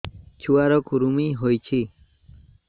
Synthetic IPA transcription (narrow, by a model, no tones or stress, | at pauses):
t͡ɕʰuwaɾokuɾumiɦojt͡ɕʰi